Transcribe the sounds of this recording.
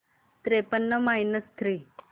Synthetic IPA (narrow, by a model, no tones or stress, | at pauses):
t̪ɾepənːəmainəst̪ʰɾiː